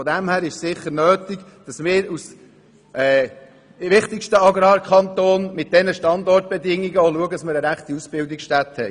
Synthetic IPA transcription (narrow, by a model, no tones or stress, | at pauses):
fɔd̪ɛmhæːɾɪʃsɪχːəɾnøːt̪iɡd̥ɑsmɪːɾus | ʔɛː | ʋɪχt̪ɪkʃtəɑɡɾɑːɾkʰɑnt̪oːnmɪt̚d̥ɛnəʃtɑnd̪ɔrt̚b̥ɛd̪ɪŋːiɡəoluəɡədɑsməɾəɾæχt̪iusb̥ɪldɪksʃtæt̪hɛj